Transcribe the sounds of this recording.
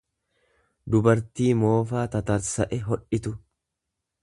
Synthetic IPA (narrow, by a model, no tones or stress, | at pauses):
d̪ʊbɐɾt̪iːmo̞ːfaːt̪ɐt̪ɐɾsɐʔɛɦɔᶑɪt̪ʊ